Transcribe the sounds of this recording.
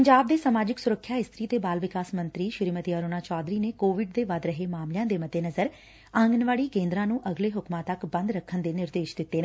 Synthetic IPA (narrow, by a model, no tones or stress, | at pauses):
pəɲd͡ʒaːb̚d̪eːsamaːd͡ʒɪksʊɾəkʰːjaːɪst̪ɾiːt̪eːbaːlʋɪkaːsmə̃nt̪ɾiːʃɪɾiːmət̪iaːɾoːnaːt͡ʃɔːd̪ɾiːneːkoːʋɪɖd̪eːʋad̪ɾəɦeːmaːmljãːd̪eːməd̪ʱːeːnəzəɾ | ə̃ŋɡənʋaːɽiːkẽːnd̪ɾãːnũːʔəɡleːɦʊkmãːt̪əkbə̃nd̪ɾəkʰːənd̪eːnɪɾd̪eːʃd̪ɪt̪ːeːne